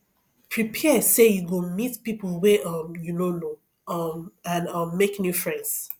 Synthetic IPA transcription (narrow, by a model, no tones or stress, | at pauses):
pʰɹipʰɛsejuɡomitpipl̩ˠwɛʌ̃mjunono | ʌmãnʌ̃mːeknjufɹɛ̃nds